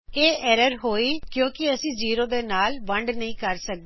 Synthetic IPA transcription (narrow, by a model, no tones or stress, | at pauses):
eːʔɛːɾəɾɦoːiːkjõːkɪəsĩːziːɾõːd̪eːnaːlʋəɳɖnəɦĩːkəɾsək̚d̪